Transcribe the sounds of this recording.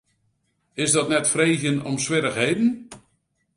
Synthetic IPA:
ɪsdɔtnɛtfreːzjənɔ̰msʋɪɾəχɦejdən̩

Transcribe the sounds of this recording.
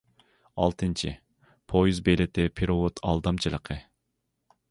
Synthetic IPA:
ɑ̰lˠt̪ʰɨnt͡ʃʰḭ | pʰojizbelɪt̪ɪpʰeɾowot̪ʰɑ̰lˠd̪ɑmt͡ʃʰɨlˠəqʰə

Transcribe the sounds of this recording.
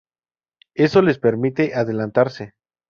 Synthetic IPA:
e̞so̞le̞spe̞ɾmit̪e̞ʔaðe̞lant̪aɾse̞

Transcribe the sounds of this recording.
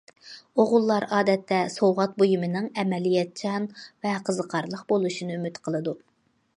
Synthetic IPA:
oʁʊlˠːɑɾɑːd̪ɛt̪ʰːɛsowʁɑt̪̚bojumɨnɨŋɛmɛlijɛt̪̚t͡ʃʰɑnvɛqʰəzəqʰɑɾlˠəqbolˠuʃinɨymyt̪qʰəlˠɨd̪u

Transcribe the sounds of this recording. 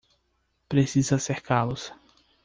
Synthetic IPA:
pɾesizɐseɾkalʊs

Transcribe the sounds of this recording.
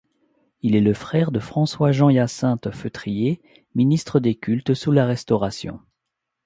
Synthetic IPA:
ilɛləfχɛʁd̪əfχɑ̃swaʒɑ̃jasɛ̃t̪føt̪χije | minist̪χəd̪ekʲʰylt̪sulaʁɛst̪ɔʁasjɔ̰̃

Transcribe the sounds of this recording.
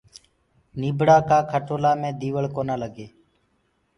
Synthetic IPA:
niːbɽaːkaːkʰəʈoːlaːmẽːd̪iːʋəɭkoːnaːləɡeː

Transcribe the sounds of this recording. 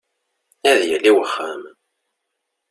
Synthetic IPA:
æðjəlːiwəχːæ̰m

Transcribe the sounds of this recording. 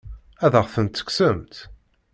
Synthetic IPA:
æðəʁθənt̪ːə̥ksəmt̪

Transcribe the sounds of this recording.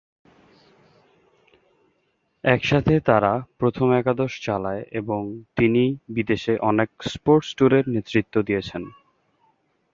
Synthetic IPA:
ɛkʃat̪ʰet̪aɾapɾot̪ʰomɛkad̪oʃt͡ɕalaeʔeboŋt̪inibid̪eʃeʔɔnekspoɾʈsʈuɾeɾnet̪ːɾit̪ːod̪ijet͡ɕʰen

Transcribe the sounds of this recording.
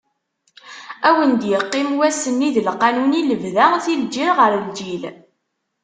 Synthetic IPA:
æwənd̪jəqːɪmwæsənːiðəlqːɑnuniləvðæʁθild͡ʒiɾʁəɾəld͡ʒil

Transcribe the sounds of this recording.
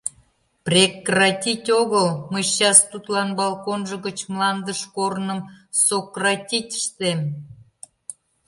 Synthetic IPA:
prʲekrɑtʲitʲoɣəlməjɕɑst̪ut̪lɑnbɑlkonʒəɣət͡ɕmlɑnd̪əʃkornəmsokrɑtʲitʲə̥ʃt̪em

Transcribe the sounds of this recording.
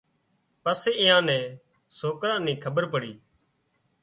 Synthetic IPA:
pəseːɪjãːnɛ̃ː | soːkɾãːnĩːkʰəbəɾpəɽiː

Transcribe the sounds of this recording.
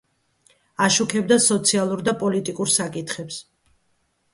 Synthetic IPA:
aʃukʰɛbd̪asɔt̪sʰialˠuɾd̪apʼɔlit̪ʼikʼuɾsakʼit̪ʰχɛps

